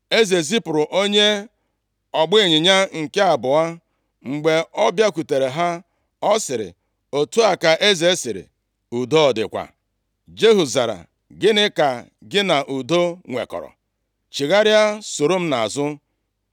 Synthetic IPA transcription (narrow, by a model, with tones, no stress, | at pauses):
e˦ze˨zi˦pʊ˨ɾʊ˨ʔo˦ɲe˦ | ɔ˨ɡ͡bɪ˦˨ɲɪ˨ɲa˦ŋ̩˨ke˦a˨bʊ˨a˦ | ŋ͡m̩˨ɡ͡be˨ɔ˦bja˦kʷu˨te˨ɾe˨ɦa˦ | ɔ˦sɪ˨ɾɪ̰˨ | o˨tu˦a˨ka˨ʔe˦ze˨˦sɪ˨ɾɪ̰˨ | u˨do˦ɔ˨dɪ̰˨kʷa̰˨ | d͡ʒe˦ɦu˨za˨ɾa̰˨ | ɡɪ˦nɪ˦ka˨ | ɡɪ˦na˨ʔu˨do˦ŋʷḛ˨kɔ̰˨ɾɔ̰˨ | t͡ʃi˨ɣa˦ɾja˦so˨ɾo˦m̩˦na˨a˨zʊ˦